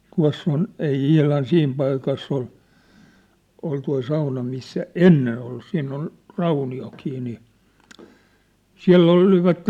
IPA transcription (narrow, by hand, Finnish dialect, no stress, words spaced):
tuɑ̝sː on ei ihlɑn siːm pɑikɑsː ol ol toi sɑunɑ misːæ enːen olːu siːn on rɑunioki niː siæ̝lː oliʋɑtːen